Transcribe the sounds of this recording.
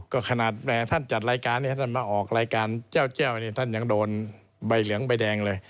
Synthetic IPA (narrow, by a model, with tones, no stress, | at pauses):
kɔː˥˩kʰa˧naː˨˩t̪̚mɛ˧˩t̪ʰa˥˩nt͡ɕa˨˩t̪̚ɾaː˧jkaː˧nːi˥˩t̪ʰa˥˩nmaː˧ʔɔː˨˩k̚ɾaː˧jkaː˧nt͡ɕɛː˥˩wt͡ɕɛː˥˩wniː˧˩t̪ʰa˥˩nja˧ŋdoː˧n | ba˧˩jlɯ˩˦əŋba˧jdɛː˧ŋlɤː˧j